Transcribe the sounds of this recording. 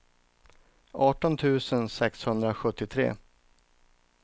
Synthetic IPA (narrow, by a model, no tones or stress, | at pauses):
ʔɑːʈɔnt̪ʰʉ̟ːsənsɛkshɵnd̪ɾaɧɵt̪ːɪt̪ʰɾḛː